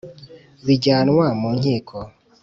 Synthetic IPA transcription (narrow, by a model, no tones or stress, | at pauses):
βiɟaːnwamuːɲhiːkʰo